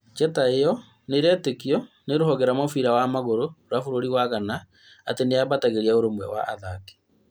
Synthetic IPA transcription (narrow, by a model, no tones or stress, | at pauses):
t͡ʃɛtaejɔ | neɾɛtekiɔ | neɾohɔɣɛɾamɔfiɾawamaɣoɾoɾafoɾoɾiwaɣana | ateneaβataɣeɾiaoɾomwɛ̰wa̰ʔa̰ðake̥